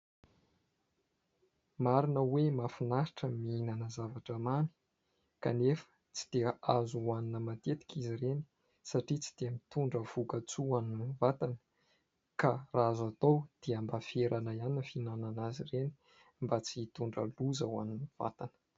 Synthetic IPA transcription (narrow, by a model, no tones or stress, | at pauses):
maɾinəwemafinaɾiʈ͡ʂəmiinanəzavaʈ͡ʂəmani̥ | ka̰nefə̥ | t͡si̥d̪̥eəazuwaninəmat̪et̪i̥kʲizireni̥ | saʈ͡ʂit͡si̥d̪̥eamit̪uɳɖ͡ʐəv̥ukət͡suaninvat̪anə | karazat̪owd̪̥eambafeɾʔanaianinfinananazireni̥ | mbat͡siit̪uɳɖ͡ʐə̰luzawa̰ninv̥a̰t̪anə̥